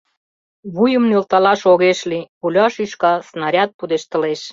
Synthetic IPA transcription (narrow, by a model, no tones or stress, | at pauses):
βujə̆mnølt̪ɑlɑʃoɣeʃlipulʲɑʃiʃkɑsnɑɾʲɑt̪̚pud̪eʃt̪ə̆leʃ